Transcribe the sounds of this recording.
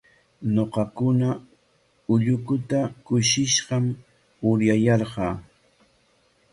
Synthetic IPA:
noqɑkʊna | ʊʎʊkʊt̪akʊʃɪʃɢɑm | ʊɾjajɑɾɢɑː

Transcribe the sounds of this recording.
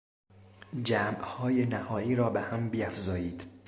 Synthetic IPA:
d͡ʒæːmʔhɒːjenæhɒːiːɾɒːbehæmbiːæfzɒːjiːd̪̥

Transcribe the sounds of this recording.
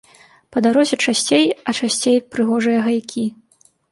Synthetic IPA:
pɐd̪aɾɔzʲɛt͡ʂasʲt͡sʲejɐt͡ʂasʲt͡sʲejpɾɨɣɔʐɨjɐɣajkʲi

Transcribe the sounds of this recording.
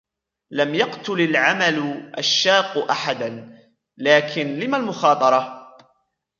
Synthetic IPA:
lamjɑqt̪ʊlalʕamalʊʔa̰ʃːɑːqːʔaħad̪an | laːkʰɪnlɪmalmʊxɑːt̪ˤɑɾˤɑ

